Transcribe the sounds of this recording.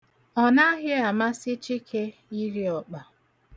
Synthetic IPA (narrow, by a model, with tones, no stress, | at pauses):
ɔ˨na˦ɦɪ˦a˨ma˦sɪ˦t͡ʃi˦kʰe˦i˦ɾi˦ɔ˨k͡pa˨